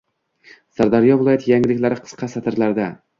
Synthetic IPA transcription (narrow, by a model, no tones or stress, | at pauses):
saɾd̪aɾijɒvɪlˠɒjat̪jaŋlɪkʲlaɾɪqʰɨ̥sqʰɑsat̪ʰɪɾlaɾd̪a